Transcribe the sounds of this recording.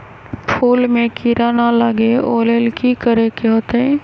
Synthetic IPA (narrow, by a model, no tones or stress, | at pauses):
pʰuːlmẽkiɾaːnalaɡeo̰ːlelkikəɾekeɦoːt̪ɛ